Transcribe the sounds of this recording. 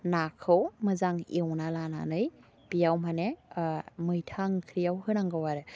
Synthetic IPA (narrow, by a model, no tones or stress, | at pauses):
nakʰɯwmɯzaŋḛwnalana̰nɯj | b̥ijawmane | mɯjtʰaŋkʰɾijawhɯnaŋɡawaɾɯ